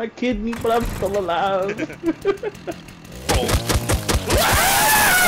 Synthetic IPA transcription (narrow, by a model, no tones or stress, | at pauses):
aɪkʰɪd̚mibʌɾãɪ̃mstɪlˠəlaʊd̥